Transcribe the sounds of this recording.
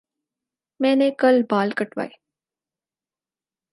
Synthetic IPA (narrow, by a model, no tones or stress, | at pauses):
mɛ̃ːnekɐlbaːlkəʈʋa̰ːeː